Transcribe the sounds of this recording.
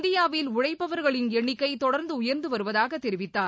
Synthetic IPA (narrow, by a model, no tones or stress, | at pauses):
nd̪ɪjaːʋɪlʊɻɐɪppːɐʋɐɾɣɐɭɪnɛɳːɪkːɐɪt̪ɔɽɐɾnd̪ɯʊjɐɾnd̪ɯʋɐɾɯʋɐðaːɣɐt̪ːɛɾɪʋɪt̪ːaː